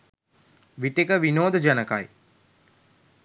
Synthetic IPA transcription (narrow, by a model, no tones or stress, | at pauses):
ʋiʈekəʋinoːd̪əd͡ʒanəka̰j